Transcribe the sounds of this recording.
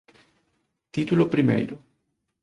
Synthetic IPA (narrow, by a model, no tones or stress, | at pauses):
t̪it̪ulopɾimḛjɾo